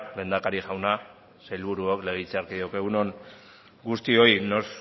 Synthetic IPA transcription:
le̞ːnd̪akaɾiʝawna | sajlβuɾuokle̞ɣ̞it͡seaɾkiðowkeɣuno̞n | ɡust̪io̞ino̞s

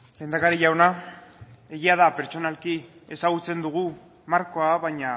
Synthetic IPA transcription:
le̞ːnd̪akaɾiʎawna | e̞ɣiað̞ape̞ɾt͡ʃo̞nalkie̞saɣ̞ut͡se̞nd̪uɣ̞u | maɾko̞aβaɲa

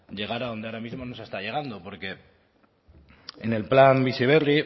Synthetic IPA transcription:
ʝe̞ɣ̞aɾao̞nd̪eaɾamizmo̞nosest̪aʝe̞ɣ̞and̪opo̞ɾke̞ | enelplambisiβ̞eri

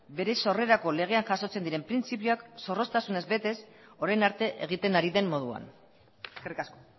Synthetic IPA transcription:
be̞ɾe̞so̞re̞ɾako̞le̞ɣ̞e̞anʝaso̞t͡se̞nd̪iɾe̞mpɾint͡sipioakso̞ro̞st̪asune̞zbe̞t̪e̞so̞ɾajnaɾt̪e̞ʔḛɣ̞it̪e̞naɾiðe̞mːo̞ð̞ua̰n | eskerikasko

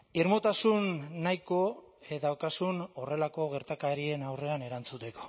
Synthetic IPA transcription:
iɾmot̪asunːajko̞ | ðawkasuno̞re̞lako̞ɣe̞ɾt̪akaeɾie̞nawre̞ane̞ɾant͡sut̪e̞ko̥

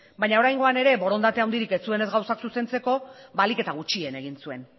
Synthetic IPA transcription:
bajɲao̞ɾajŋɡo̞ane̞ɾe̞bo̞ɾo̞nd̪at̪eawnd̪iɾike̞t͡sue̞ne̞zɡawsaksuse̞nt͡se̞ko̞balike̞t̪aɣ̞ut͡ʃie̞ne̞ɣinsue̞̰n

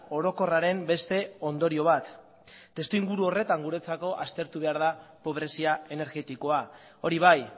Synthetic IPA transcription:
o̞ɾo̞ko̞raɾe̞mbe̞st̪e̞o̞nd̪o̞ɾio̞β̞at̪ː | e̞st̪uiŋɡuɾuo̞re̞t̪aŋɡuɾe̞t͡sako̞ʔast̪e̞ɾt̪uβe̞aɾð̞apo̞β̞ɾe̞siae̞ne̞ɾɣe̞t̪iko̞a | o̞ɾiβ̞aj

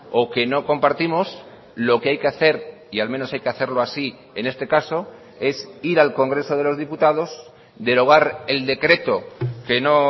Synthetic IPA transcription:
o̞ke̞noko̞mpaɾt̪imos | lo̞keajke̞aθe̞ɾ | ialmẽnosajke̞aθe̞ɾlo̞asi | e̞ne̞st̪e̞kaso̞ | e̞siɾalko̞ŋɡɾe̞so̞ð̞e̞lo̞zðiput̪aðo̞s | d̪e̞lo̞ɣ̞aɾe̞ld̪e̞kɾe̞t̪o̞ke̞no̞

